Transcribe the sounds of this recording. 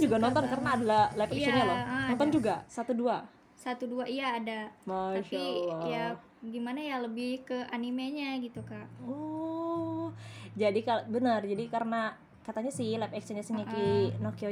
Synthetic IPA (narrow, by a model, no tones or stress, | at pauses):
d͡ʒuɡanɔnt̪ɔnkaɾənaːdalalɛpɛkt͡ʃenɲalɔnɔnt̪ɔnd͡ʒuɡasat̪udua | sat̪uduaʔijaːdamaʃalɔja | ɡimanajaləbɪhkəanimeɲaɡit̪ukaʔɔ | d͡ʒadikabənərd͡ʒadikaɾəna | kat̪aɲasɪhlapɛkst͡ʃɛnɲasinikinokio